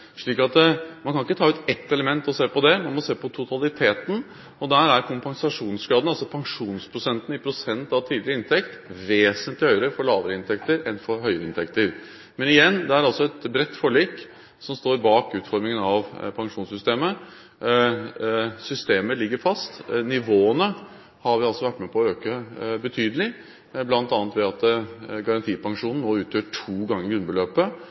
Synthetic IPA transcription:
ʂɭiːkɑt̪mɑnkʰɑnɪkːət̪ʰɑːʉːt̪ɛt̪ːɛləmɛnt̪ɔseːpɔd̪ɛmɑnmɔseːpɔt̪ʰʊt̪ʰɑlɪt̪ʰeːt̪n̩ | ɔd̪æːɾæɾkʰʊmpɑŋsɑʂuːnsɡɾɑːd̪n̩ɑlsɔpʰɑŋʂuːnspʰɾʊsɛnt̪n̩ɪpʰɾʊsɛnt̪ɑʋt̪ʰiːd̪ɪɾəɪnt̪ʰɛkt̪ʋeːsənt̪lɪhœʏəɾəfɔɭɑːʋəɾəɪnt̪ʰɛkt̪əɾɛnfɔɾɦœʏəɾəɪ̰nt̪ʰɛkt̪əɾ | mɛnɪjɛnːd̪ɛæɾɑlsɔɛt̪bɾɛt̪ːfɔɭiːk | sɔmst̪oːɾbɑːkʉːt̪fɔɾmɪŋənɑʋpʰɑŋʂuːnsʏst̪eːmə | sʏst̪eːməlɪɡːəɾfɑst̪nɪʋoːənə | hɑɾʋɪɑlsɔʋæʈːmɛpʰɔɔøːkəbət̪ʰyːd̪əlɪ | blɑnt̪ɑnət̪ʋɛɑt̪ɡɑɾɑnt̪ʰiːpɑŋʂuːnn̩ːoːʉːt̪ʰjøːʈʰuːɡɑŋːəɾɡɾʉnbəløːpə

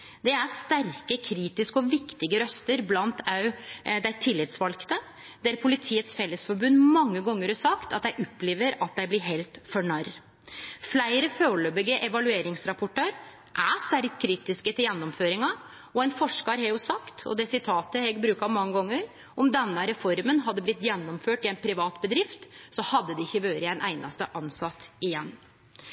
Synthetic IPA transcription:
d̪ɛæɾst̪æɾkəkʰɾiːt̪ɪskəɔʋɪkt̪ɪɡəɾœst̪əɾblɑnt̪ɑʉd̪æɪt̪ʰɪlːɪt̪sʋɑlkt̪ə | d̪æɾpʰʊlɪt̪ʰiːət̪sfɛlːəsfɔɾbʉnːmɑŋːəɡɔŋːəɾhɑsɑkt̪ɑt̪d̪æɪʔɔpːleːʋəɾɑt̪̚d̪æɪblɪɾɦelt̪fɔɳæɾ | flæɪɾəføːɭøːbɪɡəʔɛʋɑlʉeːɾɪŋsɾɑpʊʈɑɾ | ʔæst̪æɾkkʰːɾiːt̪ɪskət̪ɪljɛnːɔmføːɾɪŋɑ | ɔɛɪnfɔʂkɑɾhɑːɡjʊsɑkt̪ʰɔ̰d̪ɛːsɪt̪ʰɑːt̪əhɛɡbɾʉːkɑmɑŋːəɡɔŋːəɾ | ɔmd̪ɛnːəɾɛfɔɾmənɦɑd̪ːəblɪt̪ːjɛnːɔmføːʈɪɛɪnpʰɾɪʋɑːt̪bəd̪ɾɪft̪sɔhɑd̪ːəd̪ɪɪçːəʋøːɾəɛɪnʔæ̰ɪnɑ̰st̪əʔɑnsɑt̪ɪjɛnː

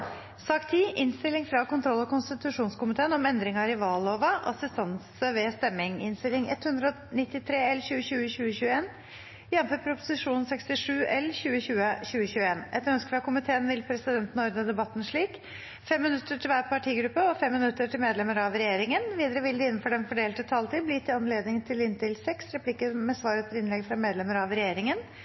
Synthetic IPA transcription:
sɑːkt̪ʰiːʔɪnst̪ɪlːɪŋfɾɑkʊnt̪ʰɾɔlːɔkʊnst̪ɪt̪ʉʂuːnskʊmɪt̪ʰeːənɔmɛnd̪ɾɪŋɑɾɪʋɑːloːʋəʔɑ̰sɪst̪ɑnsəʋɛst̪ɛmːɪŋɪ̰nst̪ɪlːɪŋɛ̰t̪ːhʉnd̪ɾəɔ | nɪt̪ːɪt̪ʰɾeːɛlçʉːəɕʉːəɕʉːəɕʉːəeːn | jɛmfəpʰɾʊpʊ̥sɪʂuːnn̩sɛkst̪ɪʂʉːɛlçʉːəɕʉːəɕʉːəɕʉːəeːnɛt̪ːœnskə̥fɾɑkʊmɪt̪ʰeːənʋɪlpʰɾɛsɪd̪ɛnt̪n̩ɔɾd̪əd̪ɛbɑt̪ːn̩ʂɭiːk | fɛmːɪnʉt̪ːəʈʰɪlʋæːɾpɑʈʰiːɡɾʉpːəɔfɛmːɪnʉt̪ːəʈʰɪlmeːd̪lɛməɾɑʋɾɛjeːɾɪŋənʋiːd̪əɾəʋɪld̪ɪɪnːn̩fɔɖɛmfɔɖeːlt̪ət̪ʰɑːlt̪iːblɪt̪ːɪɑnleːd̪nɪŋt̪ʰɪlɪnt̪ɪlsɛksɾɛpʰlɪkəmɛsʋɑːɾət̪ʰɪlɪnlɛɡfɾɑmeːd̪lɛmːəɾɑʋɾɛjeːɾɪŋən

